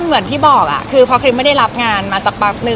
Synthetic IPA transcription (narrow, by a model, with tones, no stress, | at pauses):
mɯ˩˦ənt̪ʰiː˥˩bɔː˨˩k̚ʔa̰˨˩kʰɯː˧pʰɔ˦˥kʰɾi˦˥m˥˩jda˥˩jɾa˦˥p̚ŋaː˧nmaː˧sa˨˩k̚baː˨˩k̚nɯ˨˩